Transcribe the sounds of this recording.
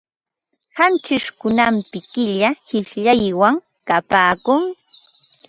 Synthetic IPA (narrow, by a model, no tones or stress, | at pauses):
hant͡ʃɪʃkʊnampɪkɪʎahɪʃʎajwaŋ | kapaːkʊŋ